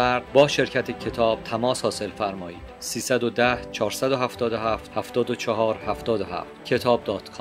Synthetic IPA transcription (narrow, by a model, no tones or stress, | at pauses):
æɾd̪bɒːʃe̞ɾcʰæt̪ʰecʰe̞t̪ʰɒːb̥̚t̪ʰæmɒːshɒːse̞lfæɾmɒːiːd̪̥siːsæd̪od̪æht͡ʃʰɒːɾsæd̪oɦæft̪ɒːd̪oɦæft̪hæft̪ɒːd̪ot͡ʃʰɒɦɒːɾhæft̪ɒːd̪oɦæ̰ft̪cʰe̞t̪ʰɒːb̚d̪ɒːt̪kʰɒ